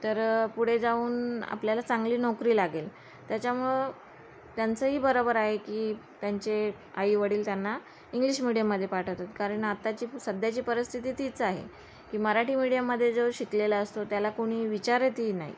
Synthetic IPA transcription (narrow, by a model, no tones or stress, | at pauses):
t̪əɾpuɽ̤ed͡zauːna̰pljalat͡saŋɡliːnɔkɾiːlaɡel | t̪jat͡ɕjaməɭ | t̪jant͡səɦiːbəɾobəɾaɦekiːt̪jaɲt͡ɕe | aiʋəɽiːlt̪janːa | iŋɡliɕmiɽijəmːəd̪ʱːjepaʈʰət̪at̪kaɾəɳat̪ːat͡ɕiːsəd̪ʱjat͡ɕiːpəɾəst̪ʰit̪iːt̪it͡saɦḛ | kiːməɾaʈiːmiɽijəmːəd̪ʱːjed͡zoɕiklelaəst̪ot̪jalakoɽ̃iːʋit͡ɕaɾet̪iːna̰ɦḭ